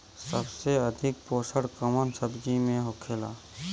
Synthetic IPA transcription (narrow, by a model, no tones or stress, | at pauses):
səbseɐd̪ʱɪk̚poːsəɽkəmənsəbd͡ʒimẽɦokʰeːla̰ː